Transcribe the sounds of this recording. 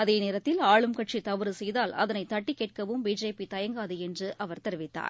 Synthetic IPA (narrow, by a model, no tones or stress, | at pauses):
ɐðeːneːɾɐt̪ːɪlaːɭɯmkɐʈ̚t͡ʃit̪ɐʋɯɾɯsɛjðaːlɐ̰ðɐnɐɪt̪ɐʈːikːeːʈ̚kɐʋɯmbiːd͡ʒeːpit̪ɐjɐŋɡaːðɯɛndrɯʔɐʋɐɾt̪ɛɾɪʋɪt̪ːa̰ːɾ